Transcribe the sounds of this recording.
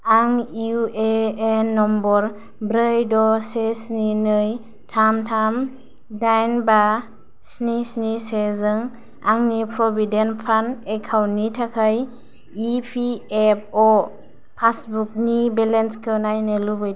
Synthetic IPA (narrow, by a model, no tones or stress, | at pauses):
aŋjueenːɔmbɔɾ | bɾəjdɔsesninɯj | tʰamtʰam | dajnba | snisnisezɯŋ | aŋnipʰɾɔbidenpʰanekʰawnitʰakʰaj | ipʰiep̚ʰɔ | pʰasbuk̚nibelenskʰɯwnajnɯlubɯj